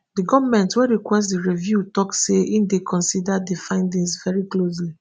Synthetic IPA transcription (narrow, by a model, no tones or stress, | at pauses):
diɡɔvmɛ̃ntweɹikwɛstdiɹivjutɔkseʔifdekʰɔ̃nsidadefãɪ̃ndĩŋsvɛɹiklos̬li